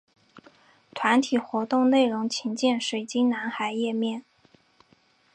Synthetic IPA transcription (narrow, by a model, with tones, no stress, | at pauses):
t̪ʰwa˧˥nt̪ʰi˨˩xwɔ˧˥t̪ʊ˥˧ŋne˥˩ɪɻʊ˧˥ŋt͡ɕʰi˧˥nt͡ɕjɛ˥˩nʂwe˨˩ɪt͡ɕi˥na˧˥nxa˨˧˩ɪjɛ˥˧mjɛ˥˩n